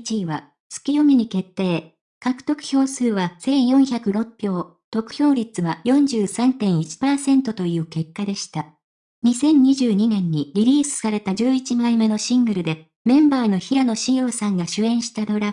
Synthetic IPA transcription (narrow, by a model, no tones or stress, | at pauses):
t͡ɕiβa | t͡sɨ̥kʲijo̞mʲiɲ̟ike̞t̪ːe̞ː | kakɯ̟̥t̪o̞kɯ̟̥ço̞ːsɨːβasẽ̞ɰ̃jõ̞ɰ̃çakɯ̟ɾo̞pʲːjo̞ː | t̪o̞kɯ̟̥ço̞ːɾʲit͡sɨβajõ̞ɲ̟d͡ʑɨːsãnt̪ẽ̞ɰ̃it͡ɕi̥paːsẽ̞nt̪o̞t̪o̞jɯ̟ːke̞kːad̪e̞ɕi̥t̪a | ɲ̟isẽ̞ɲ̟ɲiʑɨːɲ̟inẽ̞ɲ̟ːiɾʲiɾʲiːsɨ̥saɾe̞t̪ad͡ʑɨːit͡ɕimaime̞no̞ɕĩŋɡɯ̟ɾɯ̟d̪e̞ | mẽ̞mbaːno̞çiɾano̞ɕijo̞ːsãŋɡaɕɨẽ̞ɰ̃ɕi̥t̪ad̪o̞ɾḁ